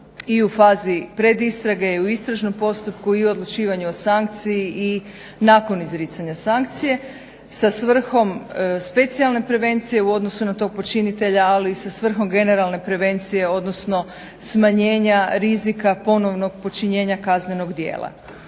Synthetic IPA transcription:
iufaːzipɾe̞d̪ist̪ɾaɡejuist̪ɾaʒno̞mpo̞st̪upkuiod̪lˠut͡ʃiːʋaɲuosaŋk̚t̪sijiʔi | naːko̞nizɾit̪saɲasaŋk̚t̪sije̞ | sasʋr̩xo̞mspe̞t̪sialˠne̞pɾe̞ʋe̞nt̪sije̞uo̞d̪nosunat̪o̞ːɡ̚po̞t͡ʃinit̪e̞ʎaːliːsasʋr̩xo̞mɡe̞ne̞ɾalˠne̞pɾe̞ʋe̞nt̪sije̞o̞d̪no̞sno̞ | smaɲe̞ːɲaɾizikapo̞no̞ʋno̞ɡ̚po̞t͡ʃiɲe̞ːɲakazne̞no̞ɡd̪je̞̰ːlˠa̰

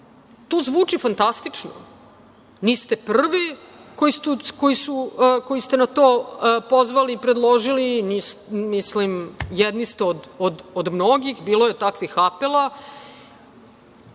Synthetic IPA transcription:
t̪oːzʋuːt͡ʂifant̪ast̪it͡ʂno̰ | nist̪e̞pr̩ʋiko̞jist̪uko̞jisuko̞jist̪enat̪oːpo̞zʋaliːpɾe̞d̪lˠoʒilinismislimjed̪nist̪eod̪od̪od̪mno̞ɡixbiːlojet̪akʋixapelˠa

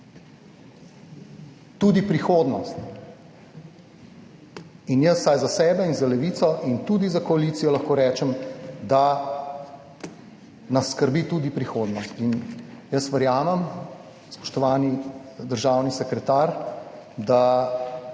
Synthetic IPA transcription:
t̪uːd̪ipɾixoːd̪nɔst̪ | injəsːajzasɛːbɛinzalɛʋit̪sɔʔint̪ud̪izakɔalit̪sijɔlɐxkoːɾɛːt͡ʃɛmd̪a | nɐsːkəɾbit̪ud̪ipɾixoːd̪nɔst̪injəsʋəɾjaːmɛm | spɔ̥ʃt̪ɔʋaːnid̪əɾʒaːwnisɛkɾɛt̪aːɾd̪a

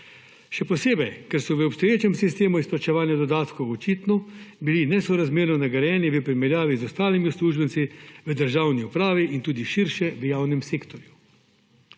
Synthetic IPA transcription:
ʃɛpɔseːbɛjkɛɾsɔʋəɔpst̪ɔjeːt͡ʃɛmsist̪eːmuisplat͡ʃɛʋaːnjad̪ɔd̪aːt̪kɔɔt͡ʃiːt̪nɔbilinɛsɔɾazmeːɾnɔnaɡɐɾjɛːniʋəpɾimɛɾjaːʋizɔst̪aːlimiusluːʒbənt̪siʋəd̪əɾʒaːwniupɾaːʋiʔint̪uːd̪iʃiɾʃɛʋəjaːwnɛmseːkt̪ɔɾju

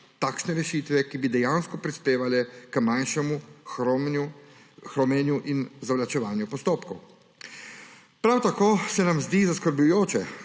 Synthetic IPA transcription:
t̪aːkʃnɛɾɛʃit̪ʋɛkibid̪ɛjaːnskɔpɾispeːʋalɛkəmanʃɛmu | xɾɔmɛnjuʔinzaʋlat͡ʃɛʋaːnjupɔst̪oːpkɔw | pɾawt̪akoːsɛnamzd̪izaskəɾblujoːt͡ʃɛ

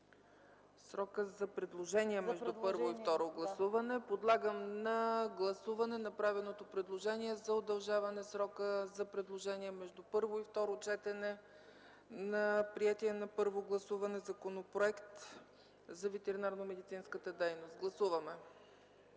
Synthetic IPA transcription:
sɾɔkəzɐpɾɛd̪lˠoʒɛniɛmɛʒd̪upɤɾvoift̪ɔɾoɡlˠɐsuvɐnɛpod̪lˠaɡəmnɐɡlˠɐsuvɐnɛnɐpɾavilˠnot̪opɾɛd̪lˠoʒɛniɛzɐod̪ɐlˠʒavɐnɛsɾɔkəzɐpɾɛd̪lˠoʒɛniɛmɛʒd̪upɤɾvoift̪ɔɾot͡ʃɛt̪ɛnɛ | nɐpɾiɛt̪iɛnɐpɤɾvoɡlˠɐsuvɐnɛzɐkonopɾoɛkt̪ | zɐvɛt̪ɛɾinaɾnomɛd̪it̪sinskət̪əd̪ɛjnost̪̚ɡlˠɐsuvɐmɛ

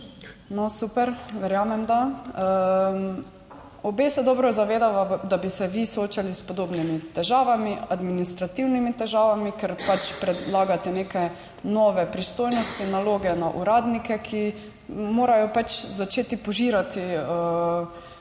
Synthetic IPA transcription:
nɔsuːpɛɾʋɛɾjaːmɛmd̪aə | ɔbeːsɛd̪ɔːbɾɔzaʋeːd̪aʋad̪abisɛʋisooːt͡ʃalispɔd̪oːbnimit̪ɛʒaːʋamiad̪minist̪ɾat̪iwnimit̪ɛʒaːʋamikɛɾpat͡ʃpɾɛd̪laːɡat̪ɛneːkɛ | nɔʋɛpɾist̪oːjnɔst̪inaloːɡɛnaʔuɾaːd̪nikɛkʰi | moːɾajɔpat͡ʃzat͡ʃeːt̪ipɔʒiːɾat̪iə

